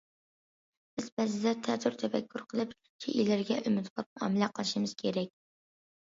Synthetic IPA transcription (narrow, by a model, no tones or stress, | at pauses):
b̥ɪzbæzɪd̪ɛt̪ʰɛt̪ʰuɾt̪ʰɛfɛkʲʰːuɾqʰəlˠɨp | t͡ʃʲʰḛʔilɪɾɡʲɛʔymɪt̪bɑp̚mɑ̰mɪlæqʰəlˠɨʃimɨz̥kʲʰeɾɛk̚ʲ